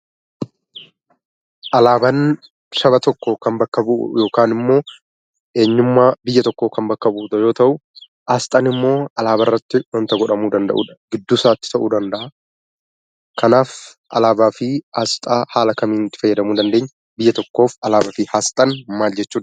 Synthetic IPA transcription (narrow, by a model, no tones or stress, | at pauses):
ʔɐlaːbɐn | ʃɐbɐt̪ɔkːoːkɐnbɐkːɐbʊʔʊ̰jo̞ːkaːnɪmːo̞ː | ʔe̞ːɲːʊmːaːbɪjːɐt̪ɔkːo̞ːkɐmbɐkːɐbuːt̪ɐjo̞ːt̪ɐʔʊ | ʔast̪ʼɐnɪmːo̞ːɐlaːbɐrːɐt̪ːɪwɐnt̪ɐɡɔᶑɐmuːd̪ɐnd̪ɐ̰ʔṵːᶑɐ̥ɡ̥ɪd̪ːʊsaːt̪ːɪ̥t̪ɐʔuːd̪ɐnd̪ɐʔa | kʰɐnaːf | ʔɐ̰laːbaːfɪʔɐst̪ʼaːhaːlɐkɐmiːnt̪ːɪ̥fɐjːɐd̪ɐmuːd̪ɐnd̪eːɲː | bɪjːɐt̪ɔkːo̞ːfɐlaːbɐfihast̪ʼɐnmaːld͡ʒɛt͡ʃːuːᶑ